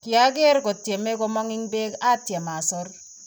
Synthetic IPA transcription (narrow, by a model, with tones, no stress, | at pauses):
kɪ˨a˦ɡe˦ɾkɔ˨tje˨me˦kɔ˦mɔ˦ŋɪ˦ŋbe˦ka˦tje˨ma˨sɔ˦r